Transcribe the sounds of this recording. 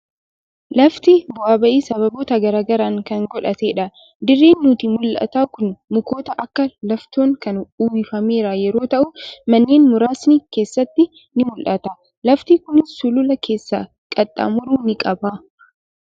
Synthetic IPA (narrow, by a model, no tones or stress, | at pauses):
lɐft̪ɪbʊʔaːbɐʔiːsɐβɐboːt̪ɐɡɐɾaːɡɐɾaːŋkɐŋɡɔᶑɐt̪e̞ːᶑɐ | d̪ɪrːeːnːuːt̪imʊlʔɐ̰t̪aːkʊnmʊko̞ːt̪ɐʔɐkːɐlɐft̪oːŋkɐnuːwɪfɐme̞ːɾajɛɾo̞ːt̪ɐʔʊmɐnːeːnmʊɾaːsnɪke̞ːsːɐt̪ːɪ | nɪmʊlʔɐt̪a | lɐft̪ikʊnɪssʊlʊlɐkʰe̞ːsːa̰ː | kʼɐt̪ʼːa̰ːmʊɾuːnɪkʼɐbaː